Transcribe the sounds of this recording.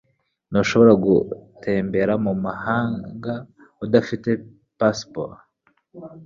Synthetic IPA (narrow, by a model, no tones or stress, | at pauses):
noʃo̞βo̞ɾaɡṵtʰe̞ːmbe̞ɾamumahaːŋɡa | udafite̞ | paspo̰ɾ